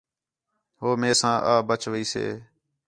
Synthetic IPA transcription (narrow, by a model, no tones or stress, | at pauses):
ɦoːmeːsãːʔaːbət͡ʃʋiːsḛː